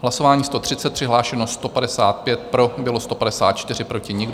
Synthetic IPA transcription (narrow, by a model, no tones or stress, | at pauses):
ɦlaso̞vaːɲiːst̪o̞t̪r̥ɪtt͡sɛt̪pr̝̥ɪɦlaːʃɛnost̪o̞padɛsaːt̪pjɛt̪̚pɾo̞bɪlo̞st̪o̞padɛsa̰ːt̪̚t͡ʃt̪ɪrɪpɾo̞cɪɲɪɡ